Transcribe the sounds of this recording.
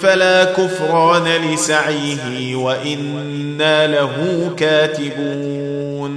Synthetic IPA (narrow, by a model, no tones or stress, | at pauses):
falaːkʊfɾˤɑːnalɪsaʕiːɦɪ | waʔɪnː | aːlaɦuːkaːt̪ɪbuː | n